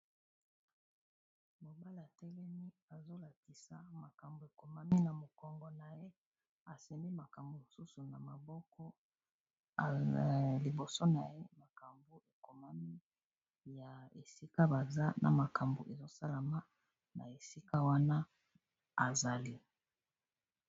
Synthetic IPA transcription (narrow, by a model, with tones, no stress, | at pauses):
mo˨ba˦la˨tɛ˦lɛ˦ni˦a˨zo˦la˨ki˨sa˨ma˨ka˨mbo˨e˨ko˨ma˦mi˦na˨mo˨kɔ˨ŋɡɔ˨na˨je˦ | a˨se˨mbi˦ma˨ka˨mbo˨mo˨su˦su˨na˨ma˨bɔ˦kɔ˦˨ | li˨bo˨so˦na˨je˦ma˨ka˨mbu˨e˨ko˨ma˦mi˦ | ja˨e˨si˦ka˦ba˨za˦nʔa̰˨ma˨ka˨mbu˨ʔe˨zo˦sa˦la˨ma˦ | na̰˨e˨si˦ka˦wa˦na˦ | a˨za˨li˦